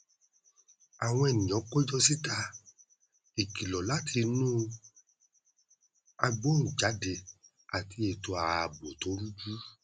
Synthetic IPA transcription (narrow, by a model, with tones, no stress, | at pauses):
a˨w̃ɔ̃˧ɛ˨nĩ˨ɔ̃˨˦kɔ˦d͡ʒɔ˦si˦ta˧ | e˨ki˨lɔ˨la˨˦tʰi˧nũ˦ | a˧ɡ͡bo˨˦n̩˨d͡ʒa˨˦de˧˨ | a˨ti˧e˨to˧a˨˧˨bo˨to˨˦ɾu˦d͡ʒu˦